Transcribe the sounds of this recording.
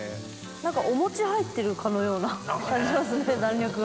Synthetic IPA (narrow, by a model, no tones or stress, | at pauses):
nãŋkaʔo̞mo̞t͡ɕihait̪ːe̞ɾɯ̟kʰano̞jo̞ːnakãɲd͡ʑimasɨnenãnʲɾʲokɯ̟ɡ